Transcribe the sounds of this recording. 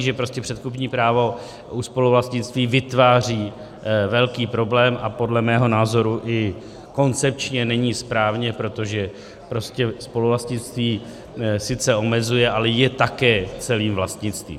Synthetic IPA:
ʒɛpɾo̞scɛpr̝̥ɛt̪kup̬ɲiːpɾaːvo̞ | ʔuspo̞luvlast̪ɲɪt͡st̪viːvɪt̪vaːr̝iː | vɛlkiːpɾo̞blɛːmʔapo̞dlɛmɛːɦo̞naːzo̞ɾuʔɪ | ko̞nt͡sɛp̚t͡ʃɲɛnɛɲiːspɾaːvɲɛpɾo̞t̪o̞ʒɛ | pɾo̞scɛspo̞luvlast̪ɲɪt͡st̪viː | sɪt͡sɛo̞mɛzujɛʔalɛjɛt̪akɛːt͡sɛliːmvlast̪ɲɪt͡st̪vḭːm

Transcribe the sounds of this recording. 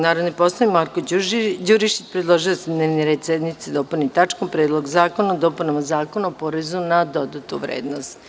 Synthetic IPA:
naːɾod̪nipo̞slˠoʋimaɾkod͡ʒuɾiʃit͡ʃpɾed̪lˠoʒiosed̪neʋneɾeːd̪sed̪nit̪sid̪o̞pulnit̪at͡ʃkompɾeːd̪lˠoɡzaːkonaod̪opunamazaːkonaopo̞ɾezunad̪o̞d̪at̪uʋɾḛːd̪nost̪

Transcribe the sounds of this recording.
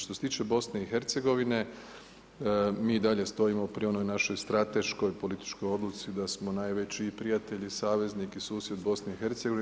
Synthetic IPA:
ʃt̪oset̪iːt͡ʃe̞bo̞sne̞ixe̞ɾt̪se̞ɡo̞ʋine̞ | miːd̪aʎe̞st̪o̞imopɾio̞nojnaʃojst̪ɾat̪e̞ʃko̞jpo̞lit̪i̥t͡ʃko̞jo̞d̪lut̪sid̪asmo̞najʋe̞t͡ɕipɾijat̪e̞ʎisaːʋe̞zniːkisuːsje̞d̪bo̞sneixe̞ɾt̪seɡoʋi

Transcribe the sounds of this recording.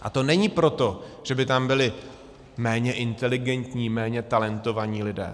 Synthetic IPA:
ʔa̰t̪o̞nɛɲiːpɾo̞t̪o̞ʒ̥ɛbɪt̪ambɪlɪ | mɛːɲɛʔɪnt̪ɛlɪɡɛnt̪ɲiːmɛːɲɛt̪alɛnt̪o̞vaɲiːlɪdɛ̰ː

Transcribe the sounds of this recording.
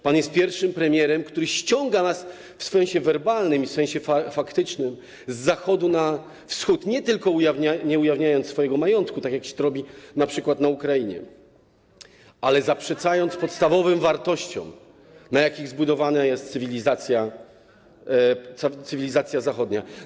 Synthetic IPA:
panjɛst̪̚pʲjɛɾfʂɘmpɾɛmʲjɛɾɛmkt̪uɾɘɕt͡ɕɔŋɡanas | fssɛ̃j̃ɕɛvɛɾbalnɘmifsɛ̃ɕɛfafakt̪ɘt͡ʂnɘm | zːaxɔd̪una | fsxut̪ɲɛt̪ɘlkɔujavɲaɲɛujavɲajɔnt̪sfɔjɛɡɔmajɔnt̪kut̪akʲjakɕɛ̥t̪ɾɔbʲinapʂɘkwat̪naukɾajiɲɛ̰ | ʔalɛzapʂɛt̪sajɔnt̪spɔt̪st̪avɔvɘmvaɾt̪ɔɕt͡ɕɔ̰̃m | najakʲiɣzbud̪ɔvanajɛst̪t̪sɘvʲilʲizat̪sʲja | t̪sɘvʲilʲizat̪sʲjazaxɔd̪ɲa

